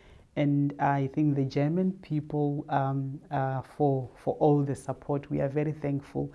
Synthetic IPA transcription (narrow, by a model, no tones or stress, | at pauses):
ɛ̃najθɪ̃ŋkðəd͡ʒɛmãnpʰipʰəlˠa | fɔfɔʔɔlðəsapʰɔtʰwḭavɛɹiθɛ̃ŋkfṵlˠ